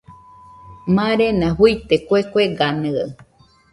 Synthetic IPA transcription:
mãɾenãɦujt̪ekʷekʷeɡanɨa̰ɨ

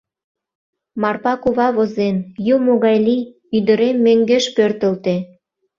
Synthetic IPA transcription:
mɑrpɑkuβɑβozenjumoɣɑjli | yd̪ə̆ɾemːeŋɡeʃpørt̪ə̆lt̪e

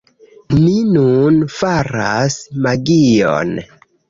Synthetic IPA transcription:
ninunfaɾasmaɡijo̰n

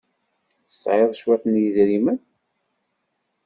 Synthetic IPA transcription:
ə̥sʕeðˤʃwætnjəzɾimən

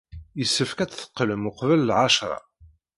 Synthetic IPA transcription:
jəsːəfkæt͡sθə̥qːləmʊqvəlːʕaʃɾˤɑ̰

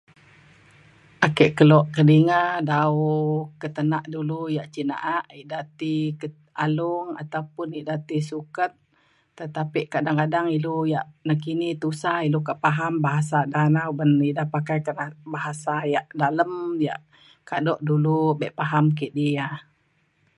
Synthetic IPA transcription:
ʔakɛʔkəlɔʔkədiŋadaukət̪ənaʔdulujaʔt͡ʃina̰ʔaʔiʔdat̪ikə | aluŋa̰t̪awpʊniʔdat̪isukət̪̚ː | ət̪apiʔkadaŋkadaŋilujaʔnakinit̪usailokaʔpaɦambaɦasadanaubəniʔdahpakajkənabaɦasajaʔdaləmja̰ʔ | kadɔʔdulubɛʔpaɦamkiʔdia

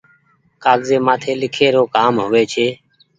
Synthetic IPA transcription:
kaːɡzeːmaːt̪ʰeːlɪkʰeːɾoːkaːmɦoːʋeːt͡ʃʰeː

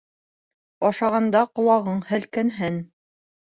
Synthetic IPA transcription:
ɑʃɑʁɑnd̪ɑqŏlˠɑʁɤɴhɘ̆lkænɦɘn

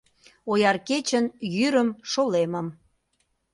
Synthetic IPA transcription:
ojɑrket͡ɕənjyɾəmʃolemə̆m

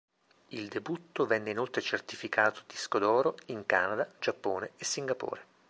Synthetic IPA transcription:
ild̪ebut̪ːovɛnːeinolt̪ɾet͡ʃert̪ifikʰaːt̪o̥d̪iskod̪ɔːɾoiŋkaːnad̪ad͡ʒapːoːneesːiŋɡapo̰ːɾe

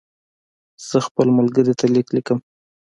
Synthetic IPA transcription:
z̥əxpəlmʊlɡəɾit̪ʰaliklikəm

